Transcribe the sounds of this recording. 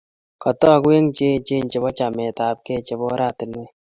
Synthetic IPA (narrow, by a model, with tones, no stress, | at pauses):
kɔ˨tɔ˦˨kwe˦ŋt͡ʃe˦˨t͡ʃe˦˨nt͡ʃe˨bɔ˦t͡ʃa˨mɛ˨ta˨p̚kɛ˦˨t͡ʃe˦bɔ˦ɾa˦˨tɪ˨nɛ˦